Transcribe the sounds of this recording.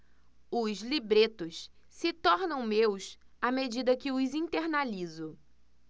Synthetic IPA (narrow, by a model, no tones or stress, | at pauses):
ʊzlibɾet̪ʊs | sɪt̪ɔɾnɐ̃w̃mews | amed͡ʒid̪ɐkɪʊzĩt̪eɾnalizʊ